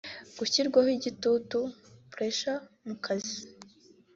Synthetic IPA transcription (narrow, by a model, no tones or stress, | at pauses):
ɡ̥uçiɾɡwahiɟitutu | pɾeʃa | mukʰazi